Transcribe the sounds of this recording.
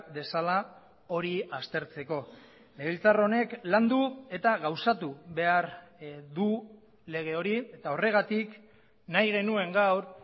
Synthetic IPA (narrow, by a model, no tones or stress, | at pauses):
de̞sala | o̞ɾiast̪e̞ɾt͡se̞ko̞ | meβilt͡saro̞ne̞kland̪ue̞t̪aɣawsat̪uβe̞aɾd̪u | le̞ɣ̞e̞o̞ɾie̞t̪ao̞re̞ɣ̞at̪ik | najɣe̞nue̞ŋɡawɾ